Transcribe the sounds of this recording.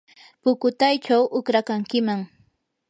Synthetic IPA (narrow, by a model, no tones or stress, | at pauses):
pʊkʊt̪ajt͡ʃawʔʊkɾakaŋkɪmaŋ